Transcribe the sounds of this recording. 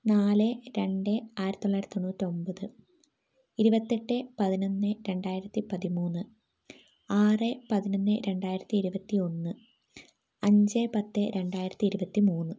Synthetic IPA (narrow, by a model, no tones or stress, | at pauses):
naːlɨɾe̞ɳɖeaːjiɾɐt̪ːoɭːaːjiɾɐt̪ionːuːtːio̞mbɐðɨ | iɾubɐt̪ːeʈːɨpɐðinonːɨɾe̞ɳɖaːjiɾɐt̪ːipɐðimuːnːɨ | aːrepɐðinonːɨɾe̞ɳɖaːjiɾɐt̪ːiːɾubɐt̪ːio̞nːɨ | ɐɲd͡ʑepɐt̪ːɨɾe̞ɳɖaːjiɾɐt̪ːiːɾubɐt̪ːimuːnːɨ